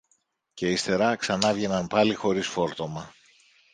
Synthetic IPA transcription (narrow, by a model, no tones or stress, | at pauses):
ce̞ist̪e̞ɾɐksɐnɐvʝe̞nɐnpɐlixo̞ɾisfo̞ɾt̪o̞mɐ